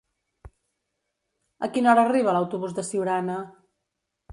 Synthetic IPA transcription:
əkinɔɾəːriβ̞ələwt̪uβuzðəsiwɾanə

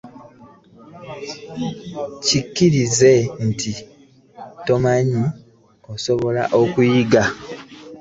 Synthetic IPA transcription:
cikːiɾize̞n̩tʰi | to̞maɲi | o̞so̞βo̞la̰ʔo̞kujiɡa

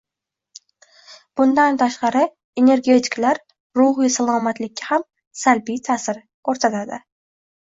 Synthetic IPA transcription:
b̥ʊnd̪ant̪ʰaʃqɑɾɪ | e̞ne̞ɾɡʲe̞t̪ʰɪ̥klaɾ | ɾʊɦɪjsalˠɒmat̪lɪkʲʰːaham | salbijt̪ʰasɪɾ | kʰoɾsat̪ʰad̪ɪ

